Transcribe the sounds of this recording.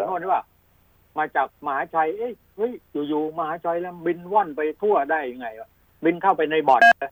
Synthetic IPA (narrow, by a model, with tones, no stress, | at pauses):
nʰu˧˥˩ni˦˥˩wa˧˩ | maː˧t͡ɕaː˨˩k̚ma˧haː˨˦˥t͡ɕʰa˧jʔɯ˦˥˩j | hɤ˦˥˩jjuː˨˩juː˨˩ma˧haː˨˦˥t͡ɕʰa˧jlɛː˦˥˩bi˧nwɔː˥˩npa˧jt̪ʰu˥˩ɐdaː˥˩jːa˧ŋːa˧ja˧˩ | bi˧nkʰa˥˩wpa˧jna˧jbɔː˨˩˧